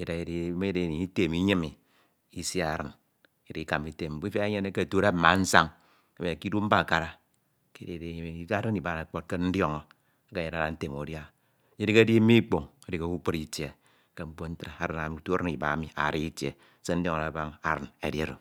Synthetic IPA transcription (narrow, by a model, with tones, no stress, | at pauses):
e˨da˨e˨di˦me˦de˦˨ni˨i˦te˨mi˦ɲe˦mi˨ | i˦si˦a˨ɾɨ̰˨n | e˨ɾi˦ki˦ka˨mi˦te˦m̩˦bi˦fe˦e˦ɲe˦ne˦ke˦˨to˦ɾa˦ma˨˦n̩˦sa˦ŋ | a˨be˨e˨ki˦du˦m̩˦ba˦˨ka˨ɾa˨ | ke˦de˨e˨˦˨i˨˦a˦ɾi˦ni˨ba˨na˨k͡po˦t̚ke˦n̩˦djo˦ŋo˨ | a˦ka˦˨je˨ɾa˦ɾa˨n̩˦te˨mo˨dja˦ | je˦di˦ke˦di˦mi˦i˦k͡po˨ŋe˨di˦ko˦u˦k͡po˦ɾi˨tje˨ | ke˦m̩˦bo˦n̩˦tɾa˨a˨ɾɨ˨na˨mi˨˦tu˦a˦ɾa˦ni˨ba˨a˦mi˨a̰˨ɾi˦i˦tjḛ˨˦ | se˦n̩˦djo˦ŋa˨ɾa˨ba˦ŋa̰˨ɾɨ˨nḛ˨dje˦ɾo˨